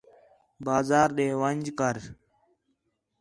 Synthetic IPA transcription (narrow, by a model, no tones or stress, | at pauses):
baːzaːɾɗeːʋənʲd͡ʒkəɾ